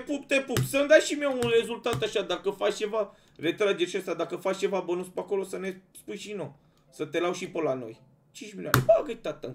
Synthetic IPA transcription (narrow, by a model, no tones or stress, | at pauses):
epup̚t̪epupsəɨnd̪aʃimewunre̞zult̪at̪aʃad̪akəfat͡ʃt͡ʃe̞va | re̞t̪ɾad͡ʒerʃast̪ad̪akəfat͡ʃt͡ʃe̞vabonuspako̞lo̞səne̞spujʃino | sət̪e̞lawʃipəlano̞̰j | t͡ʃint͡ʃmiljoanebaɡət̪at̪ən